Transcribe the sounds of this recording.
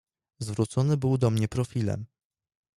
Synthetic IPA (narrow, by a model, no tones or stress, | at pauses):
zvɾut̪sɔnɘbɘwd̪ɔmɲɛpɾɔfʲilɛ̰m